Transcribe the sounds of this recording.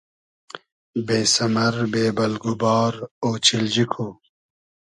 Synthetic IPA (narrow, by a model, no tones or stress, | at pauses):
beːsɐmɐɾbeːbɐlɡubɑːɾoːt͡ɕild͡ʑikʰoː